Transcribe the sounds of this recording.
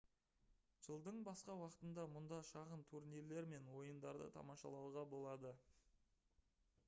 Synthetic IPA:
ʒ̥əlˠd̪əɴbɑsqɑwɑqə̥t̪ənd̪ɑmʊnd̪ɑʃɑʁənt̪ʰuɾniɾle̞ɾme̞nwo̞jənd̪ɑɾd̪ə̰t̪ʰɑ̰mɑʃɑ̰lˠɑw̪ˠʁɑbo̞lˠɑd̪ə

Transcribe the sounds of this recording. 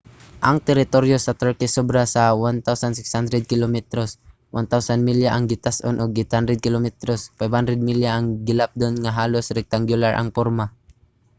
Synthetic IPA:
ʔaŋt̪ɛɾɪt̪oɾjosat̪əɹkɪsɔbɾasawant̪awsansɪkshand̪ɾɛd̪̚kɪlomɛt̪ɾos | wʔant̪awsanmiljaʔaŋɡɪt̪asʔonʔʊɡ̚ːɪt̪hand̪ɾɛd̪̚kɪlomɛt̪ɾosfajbhand̪ɾɛd̪̚miljaʔːŋɡɪlap̚d̪onŋaɦaːlosɾɛk̚t̪aŋɡjʊlaɹʔa̰ŋpoɾma

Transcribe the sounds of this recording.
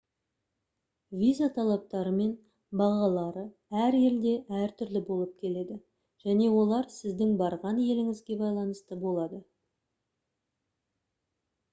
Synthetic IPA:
vʲijzat̪ʰɑlˠɑp̚t̪ɑɾəme̞n | bɑʁɑlˠɑɾə | æɾje̞ld̪e̞ʔæɾt̪ʰʏɾlɪbo̞lˠəp̚kʲʰe̞le̞d̪ɪ | ʒ̥æne̞wo̞lˠɑɾsɪzd̪ɪŋbɑɾʁɑnje̞lɪŋɪzɡʲe̞bɑjlˠɑnəst̪əbo̞lˠɑd̪ə

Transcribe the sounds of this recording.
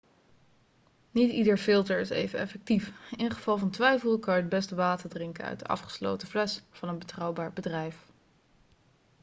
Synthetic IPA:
nitidəɹfɪlˠtəɹɪsḛjvənɛ̰fɛk̚tifɪnχəv̥ɑlˠvɑntʋɛjfəl̩ˠkɑəd̚bɛstəʋaːtəɹdrɪŋkəœ̰ɥt̚dəʔɑ̰fχə̥slo̰wtəflɛsfɑnənbətrɑwbaːɹbədrɛjf

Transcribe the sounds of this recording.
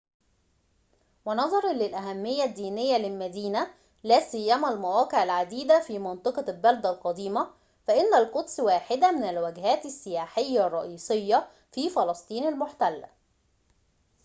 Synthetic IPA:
wɪnɑðˤɑɾˤɑlɪlʔæɦæmːɪjːæd̪ːiːnɪjːælɪlmæd̪iːnæ | læːsɪjːæmælmæwæːqeʕɪlʕad̪iːd̪æfiːmɑnt̪ˤɑqɑlbæld̪ælqɑd̪iːmæ | fæʔɪnːælqot̪sˤwaːħɪd̪æmɪnælwæɡɦæːt̪ɪsːɪjaːħɪjːærˤːɑʔiːsˤejːɑ | fiːfɑlɑsˤt̪ˤiːnalmoʊħt̪ælːæ̰

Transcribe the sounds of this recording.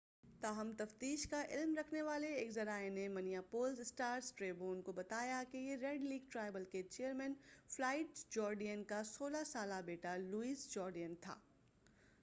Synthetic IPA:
t̪aːɦəmt̪ɐft̪iːʃkaʔɪlmɾɐkʰneʋaːleːkzɐɾaːenemɐnijapoːlzɪsʈaːɾsʈɾeːboːnkobɐt̪aːjakejeɾɛːɖliːɡʈɾaːɪbəlket͡ʃeːəɾmɛ̃ːnflaːɪʈd͡ʒɔːɾɖijənkasoːlasaːlabeːʈaluiːzd͡ʒɔːɾɖijənt̪ʰa̰ː

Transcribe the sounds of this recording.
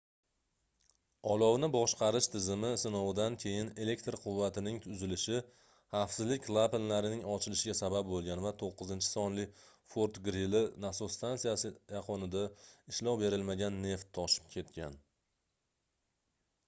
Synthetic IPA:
ɒlˠɒwnɪbɒʃqɑɾɪʃt̪ʰɪzɪmɪsɪnowd̪ankʲʰe̞jɪne̞le̞k̚t̪ɾqʰʊvːat̪ɪnɪŋt̪ʰʊzɪlɪʃɪ | hɑfsɪzlɪkʲlˠapenlaɾɪnɪŋɒt͡ʃʰɪlɪʃɪɡʲasabap̚bolˠɡʲanvat̪ʰoqːɨzɪnt͡ʃʰɪ̥sɒnlɪ | foɾt̪ɡɾilɪnasost̪ʰansijasɪjɑqʰɒnɪd̪aɪʃlɒwbe̞ɾɪlmaɡʲanːe̞ft̪ʰːɒʃɪ̥p̚kʲʰe̞t̪kʲan

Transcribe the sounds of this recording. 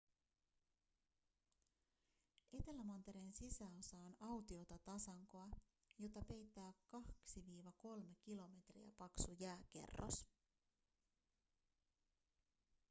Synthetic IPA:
ʔe̞t̪e̞læmɑnt̪e̞ɾensisæo̞sɑonɑwt̪io̞t̪ɑt̪ɑsɑŋkoɑ | jo̞t̪ɑpe̞jt̪ːæːkkɑksiʋiːʋɑko̞lme̞k̟ilo̞me̞t̪rḭæ̰pɑksujæːk̟e̞̰rːo̰s

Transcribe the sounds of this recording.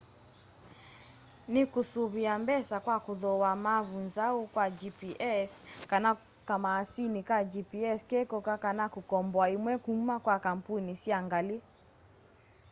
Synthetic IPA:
nikusuβiambɛsakwakuðɔwamaβunzaukwad͡ʒipiʔɛskana | kamaːsinikad͡ʒipiɛskɛkɔkakanakukɔmbɔaimwɛkumakwakam̩punisiaŋɡali

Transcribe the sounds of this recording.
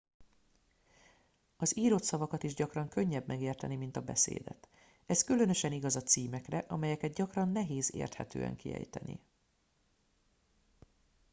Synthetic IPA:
ɒziːɾo̞t̪sɒvɒkɒt̪iʒɟɒkrɒŋkø̞ɲːɛbmɛɡeːrt̪ɛnimint̪ɒbɛ̰sḛːd̪ɛ̰t̪ | ɛskylø̞nø̞ʃɛniɡɒzɒt̪siːmɛkrɛʔɒmɛjɛkɛd̪ɟɒkrɒnːɛɦeːzḛːrt̪hɛt̪ø̰ːɛ̰ŋkḭɛ̰jt̪ɛ̰nḭ

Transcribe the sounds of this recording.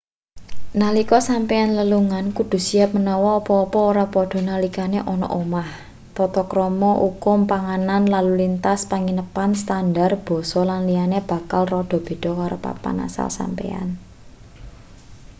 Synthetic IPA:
nalikɔsampeanləluŋankud̪̥ṳsiap̚mənɔwɔːpɔːpɔoɾapɔɖ̥ɔ̤nalikaneʔɔnɔ̰ʔomah | t̪ɔt̪ɔkɾɔmɔʔukʊmpaŋananlalulint̪aspaŋinəpanst̪andarb̥ɔ̤sɔlanlijaneb̥a̤kalrɔɖ̥ɔ̤b̥e̤d̥ɔ̤kaɾopa̰pa̰na̰sa̰lsa̰mpḛa̰n

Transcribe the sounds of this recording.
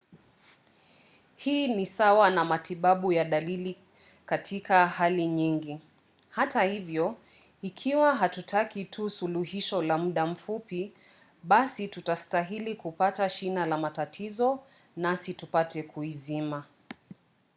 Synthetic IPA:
hiːnisawanamatiɓaɓujaɗalili | katʰikahaliɲiŋɡi | hatahivjɔ | ikʰiwaɦatutʰakitʰusuluɦiʃɔlamuɗam̩fupi | ɓasitutastaɦilikupataʃinalamatatʰizɔ | nasitupatɛkuizima

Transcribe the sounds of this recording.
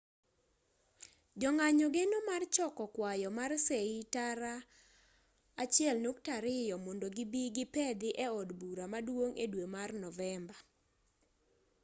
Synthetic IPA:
d͡ʒɔŋaɲɔɡenomart͡ʃɔkɔkwajɔmarseitaɾa | at͡ʃɪɛlnok̚taɾɪjɔmɔndoɡɪbiɡɪpɛd̪ɪʔɛɔdbuɾamadwoŋedwemarnɔvɛmba

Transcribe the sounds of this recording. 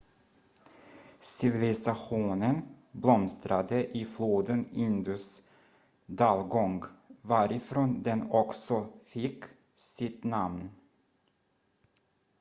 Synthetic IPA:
sɪvɪlɪsaɧuːnən | blɔmst̪ɾad̪əʔɪfloːd̪ənɪnd̪ʉs | d̪ɑːlɡɔŋɡvaɾɪfɾoːnd̪ɛnɔksɔfɪkː | sɪt̪namn

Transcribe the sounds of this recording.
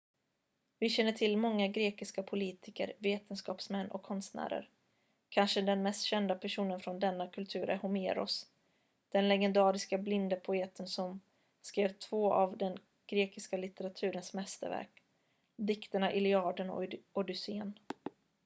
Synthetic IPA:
vɪɕɛnːəʈʰɪlːmɔŋːaɡɾeːkɪskapʰʊliːt̪ʰɪkə̰ɾveːt̪ənskɑːpsmɛnːʔɔ̰kʰːɔnst̪næ̰ːɾə̰ɾ | kʰanʂəd̪ɛnmɛst̪ɕɛnd̪apʰæʂuːnənfɾɔnd̪ɛnːakʰɵlt̪ʰʉ̟ːɾʔæ̰ɾhʊmeːɾɔ̰s | d̪̥ɛnlɛɡɛnd̪ɑːɾɪskablɪnd̪əpʰʊeːt̪ʰənsɔm | skɾeːvt̪ʰv̥oːʔavd̪ɛn | ɡ̥ɾeːkɪskalɪt̪əɾat̪ʰʉ̟ːɾənsmɛst̪ə̰ɾvæ̰ɾk | d̪ɪkt̪əɳaʔɪlɪɑːɖənɔ̰ɔd̪ʏseːn

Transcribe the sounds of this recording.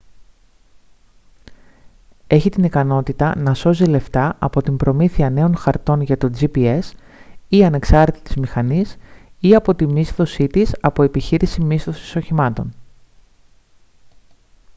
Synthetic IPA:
e̞çit̪inikɐno̞t̪it̪ɐnɐso̞zile̞ft̪ɐʔɐpo̞t̪imbɾo̞miθiɐne̞o̞nxɐɾt̪o̞nʝɐt̪o̞d͡zipie̞s | iɐne̞ksɐɾet̪i̥t̪i̥zmixɐnisiɐpo̞t̪imist̪o̞sit̪isɐpo̞e̞piçiɾisimist̪o̞si̥so̞çimɐt̪o̞n

